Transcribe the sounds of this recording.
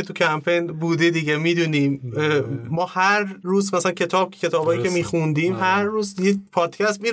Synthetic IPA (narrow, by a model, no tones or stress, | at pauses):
et̪ʰucʰæmpʰejnbuːd̪ed̪iɟemiːd̪uːniːmː | ɒːhæɾːuːzmæsælæncʰe̞t̪ʰɒːb̚ʰe̞t̪ʰɒːbhɒːjicʰemiːxund̪iːmɦæɾːuːzjepʰɒːd̪̥cʰæst̪̚miː